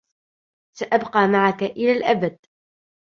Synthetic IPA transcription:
saʔabqɑːmaʕakaʔɪlaːlʔabad̪̥̚

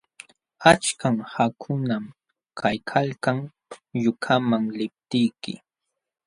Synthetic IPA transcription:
at͡ʃkaŋhakʰʊnam | kʰajkʰalkaŋ | jʊkʰamaŋlɪp̚t̪ɪjkɪ̰

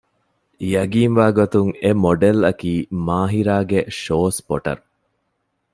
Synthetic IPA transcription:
jɐɡiːnʋaːɡot̪uŋemoɖelɐkiːmaːɦiɾaːɡeʃoːspoʈɐ̰ɾu

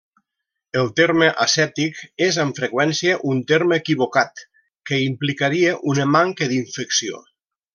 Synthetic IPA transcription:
əlˠt̪eɾməʔəsɛp̚t̪ikezəɱfɾəkwɛnsiəʔunt̪eɾməːkiβ̞okat̪ | kəimplikaɾiəʔunəmaŋkəd̪iɱfəksio̰

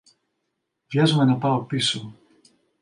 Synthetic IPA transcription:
vʝɐzume̞nɐpɐo̞piso

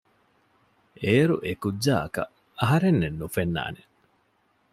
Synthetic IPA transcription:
eːɾṵʔekudːaːɐkɐ̰ | ɐɦɐɾenːenːufenːa̰ːne

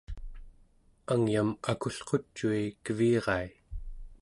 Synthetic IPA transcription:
aŋjamakuɬqo̞t͡ʃːuikəviːʁɑi

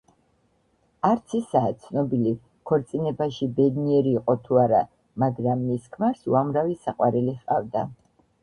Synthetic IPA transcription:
aɾt̪sʰisaːt̪sʰnɔbili | kʰɔɾt̪sʼinɛbaʃibɛd̪niɛɾiːqʼɔt̪ʰuaɾa̰ | maɡɾamːiskʰmaɾsṵamɾavisaqʼwaɾɛliχqʼavd̪a

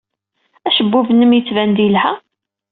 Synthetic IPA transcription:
æʃəbːuvənːəmjət͡sːvænd̪ilhæ

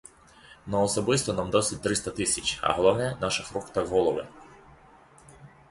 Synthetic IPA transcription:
nɔːsɔbɪst̪ɔnɑmd̪ɔsɪt̚ʲt̪ɾɪst̪ɐt̪ɪsʲɐt͡ʃʲɐ̰ɦɔlˠɔwnɛnɑʃɐfɾukt̪ɐɦɔlˠɔʋɪ̰

